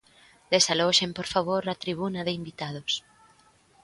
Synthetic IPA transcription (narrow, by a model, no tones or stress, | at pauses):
d̪̥esalɔʃempoɾfaβ̞oɾat̪ɾiβ̞unɐðɪimbit̪að̞ʊs